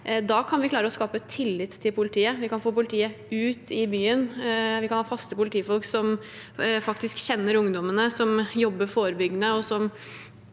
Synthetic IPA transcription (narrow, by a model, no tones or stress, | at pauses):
d̪ɑːkʰɑnʋɪklɑːɾəɔskɑːpət̪ʰɪlːɪt̪tʰːɪlpʰʊlɪt̪ʰiːəʋɪkɑnfoːpʊlɪt̪ʰiːəʉːt̪ʰɪbyːənʋɪkʰɑnhɑːfɑst̪əpʊlɪt̪ʰiːfɔlksɔm | fɑkt̪ɪskɕɛnːəɾʊŋd̪ɔmənəsɔmjɔbːəfoːɾəbʏɡːənəɔsɔm